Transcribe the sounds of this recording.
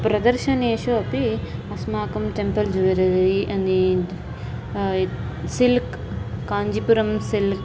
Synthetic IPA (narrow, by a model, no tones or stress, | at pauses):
pɾɐd̪ɐɾʃɐneːʃuɐpiɐsmaːkɐmʈempɐld͡ʒuʋɐɾɐɾɐɾiʔɐnd̪i | silkː | aːɲd͡ʒipuɾɐmsilk